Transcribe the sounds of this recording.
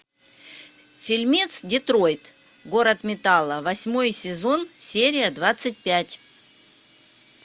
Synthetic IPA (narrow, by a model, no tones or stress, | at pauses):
fʲɪlʲmʲit̪sdʲɪt̪ɾo̞jt̪ | ɡo̞ɾət̪mʲɪt̪alˠːəvɐsʲmo̞jsʲɪzo̞nsʲeɾʲɪjəd̪vat̪sɨt̚ʲpʲætʲ